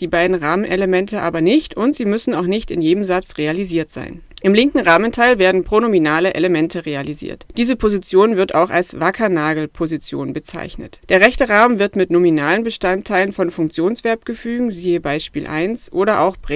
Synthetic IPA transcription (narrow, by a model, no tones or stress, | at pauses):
d̥iːbaɪdn̩ʁaːmənʔɛləmɛntəʔaːbɐnɪçtʊntz̥iːmʏsn̩aʊxnɪçtɪnjeːdəmzat͡sʁealiziːɐtz̥a̰ɪn | ʔɪmlɪŋkŋ̩ʁaːməntʰaɪlveːɐdn̩pʁ̥oːnominaːləʔḛləmɛntʰəʁealizḭːɐtd̥iːzəpʰozit͡sjoːnvɪɐta̰ʊxa̰lsv̥akʰɐnaːɡl̩pʰozit͡sjo̰ːnbət͡sa̰ɪçnə̰td̥eːɐʁɛçtəʁaːmənvɪɐtmɪtnominaːlənbəʃtantʰːaɪlənfɔnfʊŋk̚t͡sjoːnsv̥ɛɐp̚ɡ̥əfyːɡŋ̩ziːəbaɪʃpḭːlʔa̰ɪnsʔoːɾɐʔa̰ʊxb̥ʁ